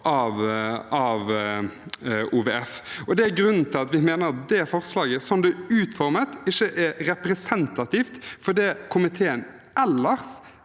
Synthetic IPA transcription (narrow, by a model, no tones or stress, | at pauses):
ʔɑʋɑʋ | uʋeːɛfɔd̪ɛæɡɾʉnːn̩t̪ʰɪlɑt̪ʋɪmeːnəɾɑt̪d̪ɛfɔʁslɑːɡəsɔmd̪ɛʉːt̪fɔɾmət̪ɪçːəʔɛɾɛpɾɛsɛnt̪ɑt̪iːft̪fɔd̪ɛkʰʊmɪt̪ʰeːən | ɛlːəɾs